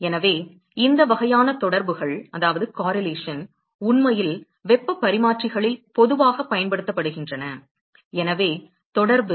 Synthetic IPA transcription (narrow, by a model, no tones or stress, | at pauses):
ɛnɐʋeː | ɪnd̪ɐʋɐɣɐjaːnɐt̪ɔɽɐɾbɯɣɐɭɐðaːʋɐðɯkaːɾɐleːʂɐn | ʊnmɐjɪl | ʋɛpːɯpːɐɾɪmaːʈrɪɣɐɭɪlpɔðɯʋaːɣɐpːɐjɐnpɐɽɯt̪ːɐpːɐɽɯɣɪndrɐnɐ | ɛnɐʋeː | t̪ɔɽɐɾbɯ